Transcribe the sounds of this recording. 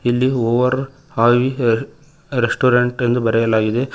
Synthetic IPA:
ilːioːʋɐɾ | haːʋi | ɾesʈuːɾɐɳʈend̪ubɐɾɛjɐlaːɡid̪e̞

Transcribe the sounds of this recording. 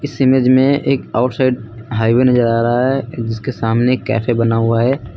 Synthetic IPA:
ɪsɪmeːd͡ʒmẽeːkaːʊʈsaɪɖɦaːɪwenɐd͡ʒəɾaːɾɐɦaɦɛd͡ʒɪskesaːmnekɛ̰ːfʰebɐnaɦʊaɦɛː

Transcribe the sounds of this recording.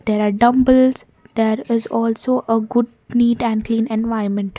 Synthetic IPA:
d̪̥eːɾaːɾɖʌ̃mbəlz | d̪̥eːɾɪzɔːlsoːʔəɡʊɖ̚ | niːʈæ̃ɳɖkliːnɛ̃nʋaɪnmɛ̃ɳʈ

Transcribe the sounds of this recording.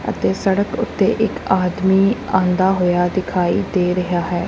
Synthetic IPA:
ə̰t̪eːsəɽəkʊt̪ːeːʔɪkaːd̪miːãːnd̪aːɦoːjaːd̪ɪkʰaːḭːd̪eːɾəɦaːɦɛː

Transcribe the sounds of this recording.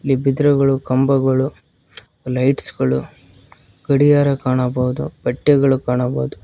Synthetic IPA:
lːibid̪ɾɐɡɐɭukɐmbɐɡɐɭu | lɐjʈsɡɐɭu | ɡ̥ɐɽijaːɾɐkaːɳɐbɐːd̪ṵbɐʈːjɐɡɐɭukaːɳɐbɐːud̪u

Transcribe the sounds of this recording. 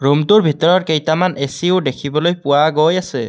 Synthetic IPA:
ɹumtʊɹbʱitɔɹɔt̚kejtamanesiʊdekʰibɔlojpʊwaɡojasɛ

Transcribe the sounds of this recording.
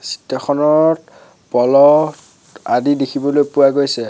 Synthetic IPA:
si̥tːɔxʰɔnɔt | pɔlɔt | adidekʰibɔlojpʊwaɡojsɛ

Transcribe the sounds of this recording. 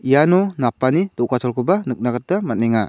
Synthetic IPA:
ijanɔnapːanidɔkatʰɔlkʰɯbanɯk̚naɡat̚damat̚neŋa

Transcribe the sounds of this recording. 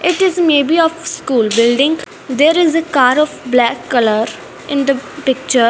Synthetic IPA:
ɪʈɪzmeːbiɔːfskuːlbɪlɖɪ̃ŋɡ | d̪eːɾɪzekaːɾɔːfblɛːkːɐləɾ | ɪ̃nd̪əpɪk̚t͡ʃəɾ

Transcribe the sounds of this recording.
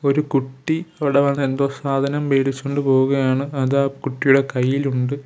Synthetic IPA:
o̞ɾukuʈːiɐʋiɽeʋɐnːend̪oːsaːd̪ʱɐnɐmʋeːɽit͡ɕːoɳɖɨpo̞ːɣuɣɐjaːɳɨɐðaːkuʈːijuɽe̞kɐjːiluɳɖɨ

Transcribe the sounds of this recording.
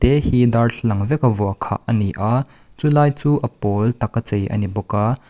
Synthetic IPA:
t̪ɛhid̪arɬʰlɐŋvɛkɐvɔɐkʰa̰ʔɐniʔa | t͡sulaːjt͡suːʔɐpɔlt̪ɐkːɐt͡sejʔɐ̰nibɔka

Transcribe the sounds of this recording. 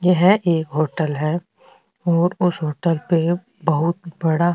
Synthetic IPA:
jeɦɛʔeːkɦoːʈəlɦɛː | ɔːɾʊsɦoːʈəlpe | bɐɦʊt̪̚bɐɽa

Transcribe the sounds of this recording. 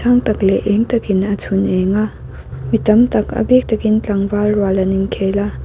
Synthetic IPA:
aŋtɐk̚leʔeŋtɐkinɐtʰuneŋa | mitɐmtɐkɐ̰bek̚tɐkint͡ɬaŋbalɾwalɐniŋkʰela

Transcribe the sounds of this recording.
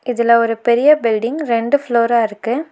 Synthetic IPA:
ɪðɪlɐɔɾɯpɛɾɪjɐbɪlɖɪŋɡɾɛɳɖɯfloːɾaːɪɾɯkːɯ

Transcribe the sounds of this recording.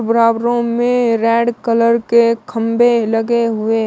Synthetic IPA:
bəɾaːbɾõmẽɾɛːɖkələɾkekʰəmbʱelɐɡeɦʊe

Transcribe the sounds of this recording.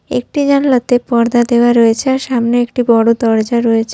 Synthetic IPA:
ḛk̚ʈid͡ʑanlot̪epɔɾd̪ad̪eoaɾɔet͡ɕʰeaɾʃamneekʈibɔɽod̪ɔɾd͡ʑaɾɔet͡ɕʰe̥

